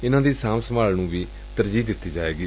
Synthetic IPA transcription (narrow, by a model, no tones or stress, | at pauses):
ɪnãːd̪iːsaːmsəmaːlnũːʋiː | t̪əɾd͡ʒiːd̪ɪt̪ːiːd͡ʒaːeːɡiː